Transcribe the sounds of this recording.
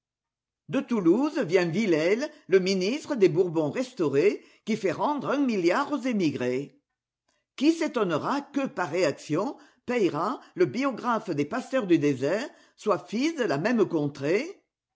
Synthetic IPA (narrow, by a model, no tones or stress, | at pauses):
d̪ət̪uluzvjɛ̃vilɛlːəminist̪χəd̪ebuʁbɔ̃ʁɛst̪oʁe | kifɛʁɑ̃d̪ʁɛ̃miljaʁozemiɡʁe | kiset̪ɔnəʁakəpaʁːeaksjɔ̃ | pɛjʁaləbiɔɡʁafd̪epasœʁd̪yd̪ezɛʁ | swafisd̪əlamɛmkɔ̃t̪χe